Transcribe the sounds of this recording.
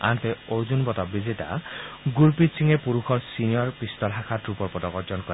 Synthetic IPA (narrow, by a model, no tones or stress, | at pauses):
a̰ntɛoɹzunbɔtɔbizeta̰ɡuɹpitsʰiŋɛpuɹuxʰɔɹsinijɔɹpist̪ɔlɦakʰatɹupɔɹpɔtɔkɔɹd͡ʒɔnkɔɛ